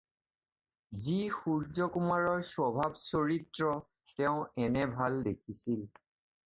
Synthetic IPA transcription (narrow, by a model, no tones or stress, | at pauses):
zixuɹzɔkumaɹɔɹsɔbʱabsoɹitɹɔ | tɛʊ̃ɛnɛbʱaldekʰisil